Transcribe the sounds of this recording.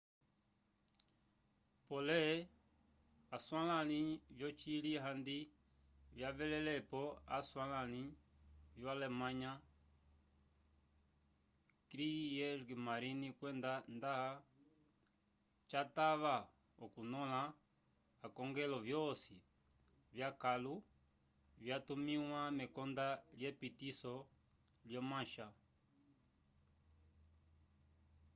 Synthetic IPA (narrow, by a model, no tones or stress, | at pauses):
pɔlɛ | aswalanivjɔt͡ʃiliɦandi | vjavɛlɛlɛpɔa̰swalani | vjwalɛmaɲa | kɾijɛʐɡimaɾinikwɛndandaɦa | t͡ʃataβa | ɔkunɔlaː | kɔŋɡɛlɔvjɔsi | vjakalu | vjatumiwamɛkɔndaljɛpitisɔ | ljɔmãʃa